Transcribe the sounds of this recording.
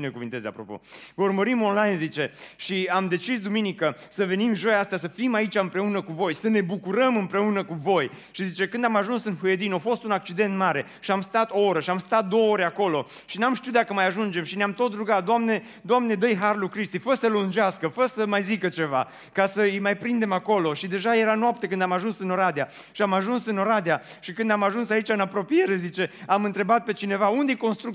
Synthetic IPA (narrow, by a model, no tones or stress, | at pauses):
ne̞kuvint̪e̞za̰pɾo̞̰po̞̰vəurməɾimo̞nlajnzit͡ʃe̞ʃiamd̪e̞t͡ʃisd̪uminikəsəve̞nimʒo̞jast̪jasəfimait͡ʃʲaɨmpɾe̞unəkuvo̞jsəne̞bukuɾəmɨmpɾe̞unəkuvo̞j | ʃizit͡ʃe̞kɨnd̪amaʒunsɨnhujed̪ino̞fo̞st̪unak̚t͡ʃid̪e̞nt̪maɾe̞ | ʃiamst̪at̪o̞oɾəʃiamst̪at̪̚d̪o̞wəo̞ɾeako̞lo̞ | ʃinamʃt̪iuwd̪akəmajaʒund͡ʒe̞mʃineamt̪o̞t̪ruɡat̪̚d̪oamne̞ | d̪oamne̞d̪əjɦarlukɾist̪ifəɾəsəlund͡ʒaskəfəɾəsəmajzikət͡ʃe̞va | kasəɨjmajpɾind̪e̞mako̞lo̞ʃid̪e̞ʒaje̞ɾanoap̚t̪ekɨnd̪amaʒunsɨno̞ɾad̪ea | ʃiamaʒunsɨnoɾad̪ea | ʃikɨnd̪amaʒunsait͡ʃaɨnapɾo̞pije̞ɾe̞zit͡ʃe̞amɨnt̪ɾe̞bat̪̚pe̞t͡ʃine̞vaund̪ejko̞nst̪ɾuk̪̚